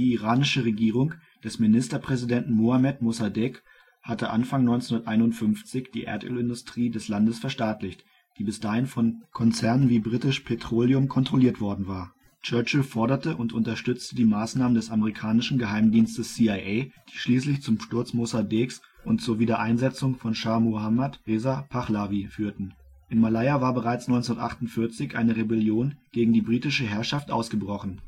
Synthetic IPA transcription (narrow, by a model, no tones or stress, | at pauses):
d̥iːiʁaːnɪʃəʁeɡiːʁ̞ʊŋ | d̥ɛsmɪnɪstɐpʁ̥ɛzidɛntn̩moamɛtmosadɪk | hatəʔanfaŋnɔʏnt͡senʊndɐtʔaɪnʊntfʏnft͡sɪçd̥ḭːʔɛ̰ɐtʔø̰ːlɪndʊstʁ̥iːdɛslandəsfɛɐʃtaːtlɪçt | d̥iːbɪsd̥aːhɪnfɔnkʰɔnt͡sɛɐnənviːbʁitɪʃpʰetʁ̥oːljʊmkʰɔntʁ̥oliːɐtv̥ɔɐdn̩vaːɐ | t͡ʃœɐt͡ʃəfɔɐɾɐtəʔʊntʔʊntɐʃtʏt͡stədiːmaːsnaːməndɛsaməʁikʰaːnɪʃn̩ɡəɦaɪmdiːnstəsːiːaɪʔeɪd̥iːʃliːslɪçt͡sʊmʃtʊɐt͡smozabeks | ʔʊntt͡suːɐviːdɐʔaɪnzɛt͡sʊŋfɔnʃaːɐmohamatʁeːzapʰaχlavifyːɐtn̩ʔɪnmalaɪavaːɐbəʁaɪt͡snɔʏnt͡snɐtʔa̰χtʊntfɪɐt͡sɪçʔaɪnəʁebɛljoːnɡ̥eːɡŋ̩diːbʁiːtɪʃəɦɛɐʃaftʔa̰ʊsɡ̥əbʁɔχn̩